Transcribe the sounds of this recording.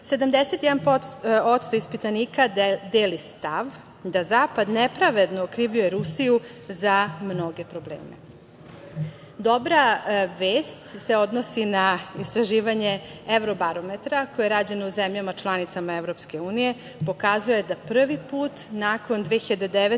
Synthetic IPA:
se̞d̪amd̪eset̪jɛd̪anpoo̞t̪st̪oispit̪aniːkad̪eːlist̪aʋ | d̪azaːpad̪nepɾaʋe̞d̪noːkɾiːʋiojeɾusijuzamno̞ɡe̞pɾoblḛːmḛ | d̪o̞bɾaʋeːst̪se̞o̞d̪no̞sinaist̪ɾaʒiːʋaɲe̞eʋɾobaɾo̞met̪ɾakojeɾaːd͡ʑeneuzemʎamat͡ʃlˠanit̪samaevɾo̞pske̞uːnije̞ | po̞kazujed̪apr̩ʋipuːt̪nako̞nd̪ʋexiʎad̪ed̪eʋe

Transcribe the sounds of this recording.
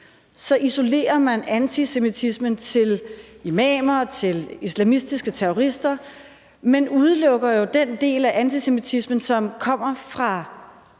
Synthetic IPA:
sɒ̽ʔiso̝le̝̰ːɐmænænt͡sʰise̝mit͡sʰismənt͡sʰe̝limɛ̰ːmɐt͡sʰe̝lislæmisd̥isɡ̥ət͡sʰeʁɔʁisd̥ɐ | menuð̞ˠlɔ̽ɡ̥ɐjo̝d̥end̥e̝̰ːlæʔænt͡sʰise̝mit͡sʰismən̩sɒ̽mkʰɒ̽m̰ɐfʁɑ̈

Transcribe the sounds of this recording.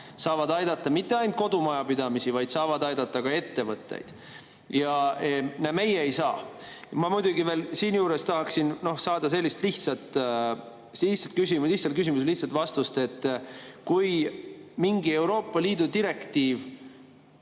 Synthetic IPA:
sɑːvɑd̪ɑjd̪ɑt̪ˑːɑmit̪ːˑeɑjnt̪̚ko̞d̪umɑjɑpid̪̥ɑmisivɑjd̪sɑːvɑd̪ɑjd̪̥ɑt̪ːˑɑkɑe̞t̪ːe̞vɤt̪ːˑḛjd̪̥ | jɑeneme̞jeːjsɑːmɑmujd̪uɡive̞ːlsiːnjuːɾe̞st̪ɑɦɑksinno̞hsɑːd̪̥ɑse̞lʲːist̪liht̪sɑt̪ːˑ | siht̪sɑt̪̚kysimliht̪sɑlt̪kys̬imusliht̪sɑlt̪vɑst̪ust̪e̞t̪ːˑkujmiŋɡie̞wɾo̞ːpːˑɑliːd̪ud̪iɾe̞kt̪iːv

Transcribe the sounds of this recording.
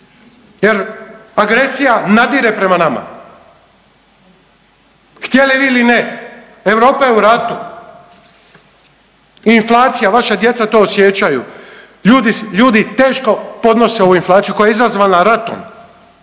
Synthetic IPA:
je̞ɾaɡɾe̞sijanad̪iːɾe̞pɾe̞manama̰ | xt̪jeliʋiːiline | eʋɾo̞ːpajeuɾat̪u | inflˠaːt̪sijaʋaʃad̪je̞t̪sat̪o̞ːosjet͡ʃaju | ʎuːd̪iʎuːd̪it̪e̞ːʃko̞po̞d̪no̞seo̞uinflaːt̪sijuko̞jeizazʋaːnaɾat̪o̰n

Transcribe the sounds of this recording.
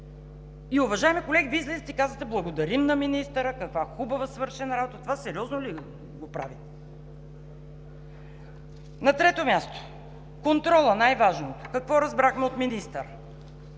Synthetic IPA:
iʊvɐʒaɛmikolɛɡʲivizlɛzit̪ʲikazvət̪ɛblˠɐɡod̪ɐɾimnɐminist̪əɾəkɐkvaxubɐvəsvɤɾʃɛnɐɾabot̪ət̪ovasɛɾiɔznoli | ɡopɾa̰vit̪ɛ | nɐt̪ɾɛt̪omʲjast̪o̥ | kont̪ɾɔlˠənajvaʒnokɐkvɔɾɐzbɾaxmɛot̪minist̪əɾ

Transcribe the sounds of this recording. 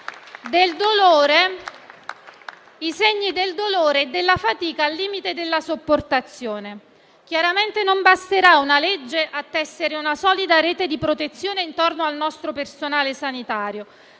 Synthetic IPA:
d̪eld̪oloːɾe | iseɲːid̪eld̪oloːɾeːd̪ːelːafat̪iːkaːlːiːmit̪ed̪elːasopːort̪at̪sːjoːne | k̟jaɾament̪enombast̪eɾaunaled͡ʒːeʔat̪ːɛsːeɾeunasɔːlid̪aɾɛːt̪ed̪ipɾot̪et̪sːjoːneint̪ornoalnɔst̪ɾopersonaːlesanit̪aːɾjo

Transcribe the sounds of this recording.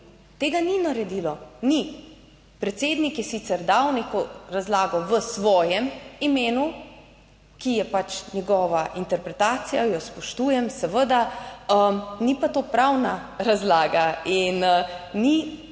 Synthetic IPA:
t̪eːɡaninaɾɛd̪iːlɔni | pɾɛt̪seːd̪nikjɛsit̪sɛɾd̪awnekɔɾazlaːɡɔʋəsʋɔːjɛmimeːnu | kijɛpat͡ʃnʲɛɡɔːʋaʔint̪ɛɾpɾɛt̪aːt̪sijajɔspɔʃt̪uːjɛmsəʋəd̪aəmnipat̪oːpɾawnaɾazlaːɡainni

